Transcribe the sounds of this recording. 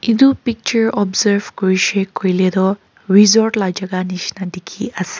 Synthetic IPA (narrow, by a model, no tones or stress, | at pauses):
id̪upik̚t͡ʃɐɾɔbzɐɾʋkuɾiʃeːkːojleːd̪oː | ɾizoːɾʈlad͡ʒɐɡaniʃnɐd̪ikʰiʔɐs